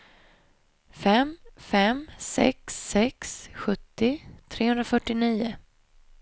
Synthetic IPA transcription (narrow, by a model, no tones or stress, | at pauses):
fɛmfɛmsɛ̰ksːɛksɧɵt̪ːɪt̪ʰɾeːhɵnɾafœʈːɪniːʊ